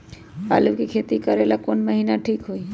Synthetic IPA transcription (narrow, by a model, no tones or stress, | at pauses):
a̰lukekʰet̪ikəɾelakonməɦinaʈʰiːkɦoi